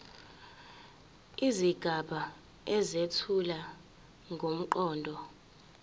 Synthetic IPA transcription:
iziɡ̥ʱaɓʱa | ɛzetʰula | ŋɡʱom̩ǃɔːndʱɔ

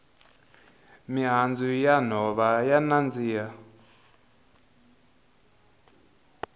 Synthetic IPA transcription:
miɦand͡zujan̤ɔβajanand͡ziːja

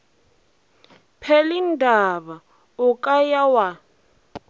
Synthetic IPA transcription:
pʰɛlindʱaβa | ʊkʼajawa

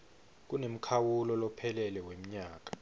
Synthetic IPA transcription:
k̬unem̩kʰawulɔlɔpʰɛlɛlɛwem̩ɲaːk̬ḁ

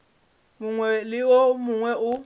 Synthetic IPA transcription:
muŋwɛlɪwomuŋwɛʔʊ

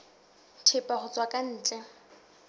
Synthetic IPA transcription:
tʰɪpʼaχʊt͡sʼwakʼan̩ːt͡ʃʼɛ

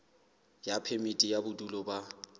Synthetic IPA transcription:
japʰɛmitʼijabʊdulɔba

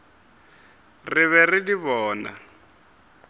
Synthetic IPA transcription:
rɪβɛridiβɔːna̰

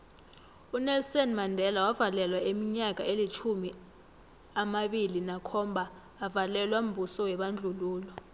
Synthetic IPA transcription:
unɛlsɔnmandʱɛlawavalɛlwaemiɲak̬ʼa̰elit͡ʃʰumi | amaɓilinakʰɔmbʱaː | valɛlwam̩bʱusɔwɛɓand͡ɮʱuluːlɔ

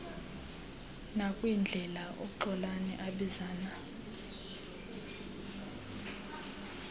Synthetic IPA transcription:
nakʼwind͡ɮʱɛlaʔo̰ǃɔlanɛ̰ʔaɓizaːna

